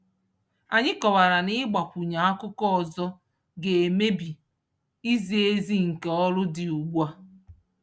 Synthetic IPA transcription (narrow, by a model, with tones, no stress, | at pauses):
a˨ɲɪ˦kɔ˨wa˨ɾa˨nɪ˦ɡ͡ba˨kʷu˨ɲa˨a˦kʊ˦kɔ˦ɔ˨zɔ˦ | ɡe˨e˨me˦bi˨ | i˦zi˨e˦zi˦ŋ̩˨ke˨ɔ˦lʊ˦dɪ˨u˨ɡ͡bʷa˦